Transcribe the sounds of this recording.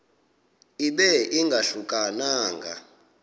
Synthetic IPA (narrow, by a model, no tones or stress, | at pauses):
iɓɛʔiŋɡʱaɬukʼanaːŋɡʱa̰